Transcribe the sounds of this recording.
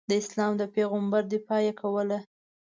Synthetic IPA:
d̪əɪslɑmd̪əpeɣʊmbaɾd̪epɑjakʰawəla

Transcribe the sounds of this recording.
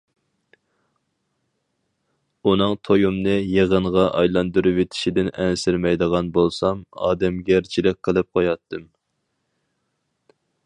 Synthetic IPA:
unɨŋt̪ʰojumnɨjeʁəɴʁɑʔɑjlˠɑnd̪uɾuvet̪ʰɪ̥ʃid̪ɪnɛnsɪɾmɛjd̪əʁɑnbolˠsɑmɑ̰ːd̪ɛmɡʲɛɾt͡ʃʰilɪk̚ʲqʰəlˠɨp̚qʰojɑt̪ʰːɨm

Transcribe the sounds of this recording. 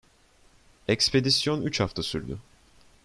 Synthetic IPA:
ɛcspʰe̞d̪isjo̞nyt͡ʃhaft̪ʰasyɾd̪y̰

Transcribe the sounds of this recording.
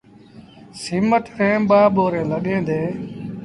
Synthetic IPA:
siːməʈ̪ʰɾẽːmɓaːɓoːɾẽːləɠẽːd̪ẽː

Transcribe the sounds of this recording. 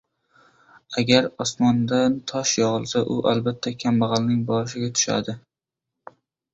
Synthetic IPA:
aɡʲaɾɒsmɒnd̪ant̪ʰɒʃjɒʁɨlˠsaʔʊʔalbat̪ʰːakʲʰambɑʁɑlnɪŋbɒɾɪʃɪɡʲat̪ʰʊ̥ʃa̰d̪ɪ

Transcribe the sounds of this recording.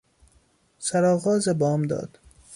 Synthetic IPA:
sæɾɒːɣɒːzebɒːmd̪ɒ̰ːd̪̥

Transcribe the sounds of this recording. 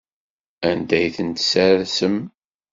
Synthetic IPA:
ænd̪æjθənt̪sæɾɾsəm

